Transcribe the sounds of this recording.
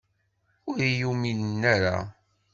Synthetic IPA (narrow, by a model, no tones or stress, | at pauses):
ʊɾjumilnːaɾa̰